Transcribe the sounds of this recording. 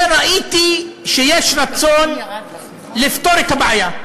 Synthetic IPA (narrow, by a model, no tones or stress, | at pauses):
ɾˤɑʔiːt̪iʃɪjeːʃɾˤɑt͡sːoːn | lɪft̪oɾɪkabaʕaja